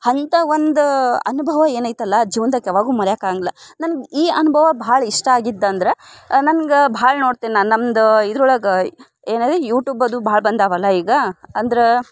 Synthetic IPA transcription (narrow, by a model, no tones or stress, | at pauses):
hɐnt̪ɐʋond̪ɐ̰nubʱɐʋɐe̞ːnaːjt̪ɐlːɐd͡ʒiːʋɐnd̪ɐkjaʋaːɡuːmɐɾjaːkaːɡilːɐnɐnɡiːɐnubʱɐʋɐbɐːɭɐiʂʈɐaːɡid̪ːnd̪ɾe̞nɐnɡebɐaaːɭɐnoːɽt̪iːnnanɐmːd̪id̪ɾuɭɐɡɐ | eːnaːjd̪ɾejuːʈjuːbɐd̪ubɐɦɭɐbɐnd̪aːʋɐlːɐiːɡɐɐnd̪ɐɾe